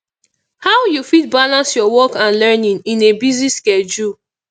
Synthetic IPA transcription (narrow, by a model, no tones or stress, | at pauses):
hawjufit̚balãnsjɔwɔkãnlɛnĩŋĩnebiziskɛd͡ʒul